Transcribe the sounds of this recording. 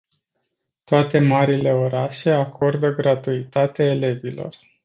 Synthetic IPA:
t̪oat̪e̞maɾile̞o̞ɾaʃe̞akʰo̞rd̪əɡɾat̪uit̪at̪eaele̞vilo̞̰r

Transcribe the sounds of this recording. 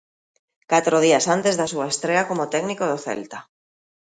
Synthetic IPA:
kat̪ɾoð̞iasant̪ezðasuaest̪ɾeakomot̪ɛɡnikoð̞oθɛ̰lt̪a

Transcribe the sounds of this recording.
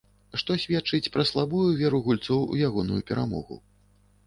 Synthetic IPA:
ʂt̪ɔsʲvʲɛt̪t͡ʂɨt͡sʲpɾɐslˠabujuvʲɛɾuɣulʲt̪sɔwṵjaɣɔnujupʲɛɾʔa̰mɔ̰ɣṵ

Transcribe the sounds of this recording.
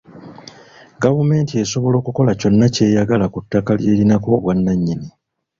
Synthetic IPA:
ɡavume̞ːntie̞so̞βo̞lo̞ːkuko̞laco̞nːace̞ːjaɡalakutːakalje̞ːɾinako̞ːβwanːaɲːini

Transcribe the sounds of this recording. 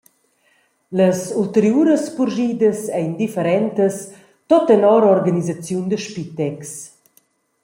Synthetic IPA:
ləsult̪əɾjuːɾəspuɾʒiːd̪əsɛjnd̪ifəɾɛnt̪əs | t̪ɔt̪ɛnɔɾɔɾɡanizat͡sjund̪əʃpit̪ɛks

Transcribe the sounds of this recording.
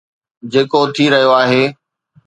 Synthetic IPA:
d͡ʑeːkot̪ʰiɾɐɦijoaːɦeː

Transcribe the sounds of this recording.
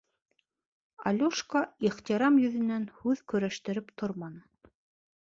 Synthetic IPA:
ɑlʲuʃkaiχt̪iɾɑmjɵ̆ðɘ̆nænhʉðkɵ̆ɾæʃt̪ɘ̆ɾɘpt̪ʰoɾmɑnɤ

